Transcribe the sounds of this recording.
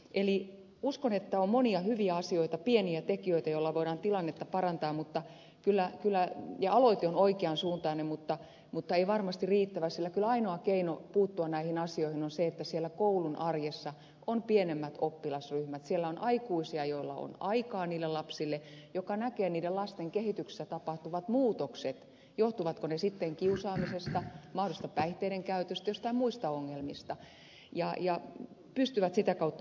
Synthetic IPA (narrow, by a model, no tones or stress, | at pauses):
ʔeli | uskonet̪ːæommoniɑhyʋiæɑsioit̪ɑpieniæt̪ekiøit̪æjolːɑʋoiɾɑːnt̪ilɑnːet̪ːɑpɑrɑnt̪ɑːmmut̪ːɑ | kylːækylːˑæjɑɑloit̪eonoikeɑnsuːnt̪ɑːnemmut̪ːɑ | mut̪ːɑeiʋɑrmɑst̪iriːt̪ːæʋæsilːækylɑinoɑkeinopuːt̪ːuɑnæihinɑsioihinonseet̪ːæsielːækoulunʔɑrjesːɑ | ʔonpienemːæt̪opːilɑsryhmæt̪sielːæonʔɑikuisiɑjoilːɑ̰o̰nɑikɑːniːlːelɑpsilːejokɑnækeːniːdelɑst̪eŋkehit̪yksi̥sːæt̪ɑpɑht̪uʋɑt̪muːt̪okset̪ | joht̪uʋɑt̪konesit̪ːeŋkiusɑːmisest̪ɑmɑhdolist̪ɑpæiht̪ˑeiɾeŋkæyt̪øst̪æjost̪ɑimuist̪ɑoŋːelmist̪ɑ | jɑjɑ | pyst̪yʋæt̪sit̪ækɑut̪ːɑ